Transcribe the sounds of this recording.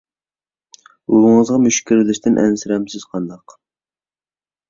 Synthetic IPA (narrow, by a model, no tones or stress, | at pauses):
uɾʊŋəzʁɑmyʃkʲiɾɪlɪʃt̪ɪnʔɛ̰nsɪɾɛmsɪz̥qʰɑnd̪ɑq